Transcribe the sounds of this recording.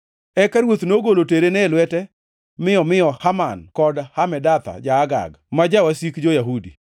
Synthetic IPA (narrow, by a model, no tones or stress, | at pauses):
ɛkaɾwot̪noɡoloteɾenɛlwɛtɛ | mɪɔmɪjɔhamankɔdhamɛdat̪a̰d͡ʒaːɡa̰ɡ | mad͡ʒawasikd͡ʒojaɦudḭ